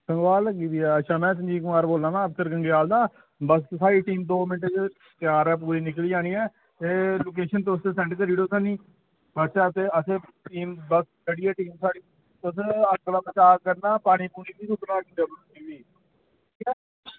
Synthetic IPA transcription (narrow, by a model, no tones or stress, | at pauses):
sə̃ŋɡʋaːləɡiːʋ̪iːɛːəʃʰãːmɛ̃ːsə̃nd͡ʒiːkʊmaːɾboːlãːnaːəp̚səɾɡəŋɡjaːld̪aː | bəsːaːɾiːʈiːmd̪oːmɪnʈed͡ʒ | t̪jaːɾɛːp̬uːɾiːnɪkliːd͡ʒãːniːɛː | eːloːk̬eːʃənt̪eʊsesɛ̃ɳʈkəɾiːɽoːsəniː | bəʃaːt̪eːəseːʈiːmbəskəɽiːɛːʈiːmsaːɽiː | t̪ʊs̬ələɡlaːbət͡ʃaːɾkəɾnaːpaːɽ̃iːpuːniːbiːsʊt̪naːkɪd̪eːbə | iːbiː | ikkaː